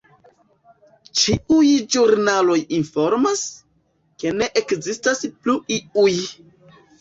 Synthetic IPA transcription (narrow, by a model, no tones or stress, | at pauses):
t͡ʃiujd͡ʒuɾnalo̞jinfo̞ɾmas | ke̞ne̞ʔekzistaspluiuj